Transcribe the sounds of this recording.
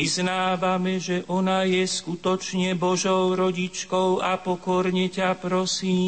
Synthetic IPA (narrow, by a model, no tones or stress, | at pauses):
iznaːʋamɛʒɛʔɔnajɛskut̪ɔt͡ʃɲɛbɔʒɔʊɾɔɟit͡ʃkɔʊapɔkɔɾɲɛcapɾɔsiː